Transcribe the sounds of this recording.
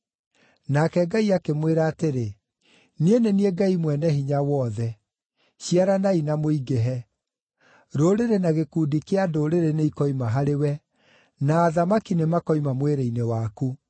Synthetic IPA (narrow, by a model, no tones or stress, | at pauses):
nakɛɡaiakemweɾaːteɾe | nienenieɡaimwɛnɛhiɲawɔːðɛ | ɕiaɾanainamoiɡɛɦɛ | ɾoɾeɾenaɣekuːdikeadoɾeɾeneikɔimaɦaɾewɛ | naːðamakinemakɔimamweɾeinewaku